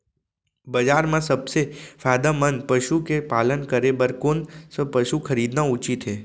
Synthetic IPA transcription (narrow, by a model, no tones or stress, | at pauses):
bəd͡ʒaːɾmãsəbsefʰaːd̪amənpəʃukepaːlənkəɾebəɾkoːnsəpəʃukʰəɾiːd̪naʊt͡ʃit̪ɦeː